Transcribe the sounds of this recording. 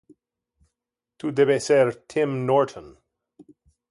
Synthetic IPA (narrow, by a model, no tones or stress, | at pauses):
t̪ʰud̪ebesɛɾtʰɪ̃mnɔɹtʰə̃n